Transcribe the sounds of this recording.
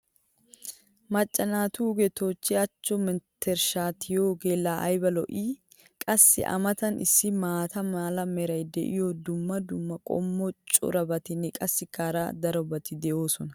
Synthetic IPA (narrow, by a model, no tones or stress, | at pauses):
mɐt͡ʃʼːɐnaːt̪uːɡɛt̪o̞ːt͡ʃːɪɐt͡ʃːɔmɛnt̪ːɛɾʃaːt̪ʰɪjoːɡeːlːaːʔɐjbɐlɔʔiː | kʼɐsːɪ̰ʔɐ̰mɐt̪ɐnʔɪ̰sːɪmaːt̪ɐmaːlɐmɛɾɐjd̪ɛʔɪ̰jɔd̪ʊmːɐd̪ʊmːɐkʼɔ̰mːɔt͡ʃʼʊ̰ɾɐbɐt̪ɪnːɛkʼɐsːɪkːaːɾɐ̰d̪ɐɾɔbɐt̪ɪd̪ɛjoːsɔnɐ